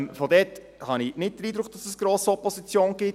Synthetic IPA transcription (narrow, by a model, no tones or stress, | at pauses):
mfodɛt | hɑninɪt̚d̥əɾiːd̪ɾʊkχd̥ɑsəsɡ̥ɾoːsɔpɔsit͡sjoːnɡ̥ɪ